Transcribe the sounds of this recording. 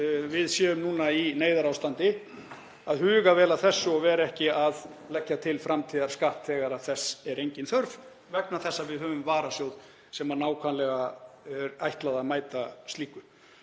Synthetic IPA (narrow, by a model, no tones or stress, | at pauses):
vɪðsjɛːʏmnuːnaineːjðaɾawst̪ant̪ɪ | aðhʏːɣavɛːlaθɛsːʏɔɣvɛːɾaɛhcɪað | lɛcːat̪ʰɪlfɾamt̪ʰiːðaɾ̥skahpt̪ʰɛːɣaɾaθɛsːɛɾejɲcɪnθœɾv | vɛknaθɛsːavɪðɦœːvʏmvaːɾasjowð | sɛmanaːwkʰvanlɛɣaɛɾajht̪laðaðmaːjt̪ast̪liːkʏ